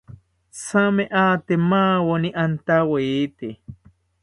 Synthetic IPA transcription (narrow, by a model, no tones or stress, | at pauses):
sameʔat̪emaːwoniʔant̪awet̪e